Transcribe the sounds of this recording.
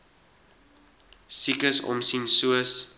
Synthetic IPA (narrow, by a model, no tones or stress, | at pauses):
sikəsɔ̰msinsuəs